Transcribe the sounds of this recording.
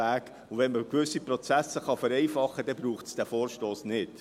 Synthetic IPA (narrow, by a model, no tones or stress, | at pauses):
æːk | ʊʋɛnməkʋʏsːiprɔt͡sæsəχɑfɛɾɛjfɑχːəd̥ɛbɾuːχtsd̥æfoːɾʃtoːsnɪd